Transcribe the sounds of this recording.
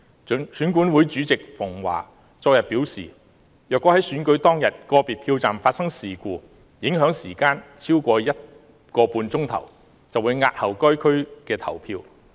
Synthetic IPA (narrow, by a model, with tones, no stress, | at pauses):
syː˨˥nkuː˨˥nwuː˨˥jt͡ʃyː˨˥t͡sɪ˨k̚fʊ˨˩ŋwa̰ː˨˩ | t͡sɔː˧k̚jɐ˨p̚piː˨˥wsḭː˨˩ | jœː˨kʷːɔː˨˥hɐ˨˥jsyː˨˥nkɵ˨˧˥ɥt̪ɔː˥ŋjɐ˨t̚kɔː˧piː˨t̚pʰiː˧wt͡saː˨mfaː˧t̚sɐ˥ŋsiː˨kuː˧ | jɪ˨˥ŋɦœː˨˥ŋsiː˨˩kaː˧˥nt͡sʰiː˥wkʷɔː˧jɐ˥t̚ | kɔː˧puː˧nt͡sʊ˥ŋt̪ʰɐ̰˨˩w | t͡sɐ˨wu˨˧jŋaː˧t̚hɐ˨˩wkɔː˥jkʰɵ˥ɥkɛː˧t̪ʰɐ̰˨˩wpʰiː˧w